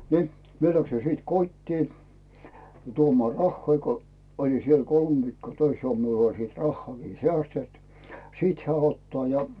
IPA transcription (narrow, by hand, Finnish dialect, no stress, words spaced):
ni mie læksi siˑt kotʲtiː tuomŏɑˑ rɑhːoi ko olʲi siel kolm ʋiːkːoː tøis olt miul olʲ siːt rɑhːoɑˑkiː sĕæˑstet siˑt hĕæ otːɑː jɑ